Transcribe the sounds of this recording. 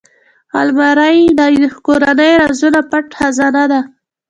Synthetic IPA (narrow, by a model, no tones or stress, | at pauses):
a̰lmaɾajd̪akoɾanəjɾazunapaʈxazɑnad̪a